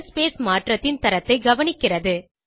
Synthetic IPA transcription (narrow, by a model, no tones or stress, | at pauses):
speːsmaːʈrɐt̪ːɪnt̪ɐɾɐt̪ːɐɪɡɐʋɐnɪkːɪrɐðɯ